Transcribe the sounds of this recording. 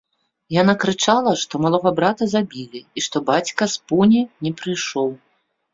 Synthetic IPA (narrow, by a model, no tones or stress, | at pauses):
janakɾɨt͡ʂalˠɐʂt̪ɔmalˠɔɣɐbɾat̪ɐzabʲilʲiiʂt̪ɔbat͡sʲkɐspunʲinʲɛpɾɨjʂɔw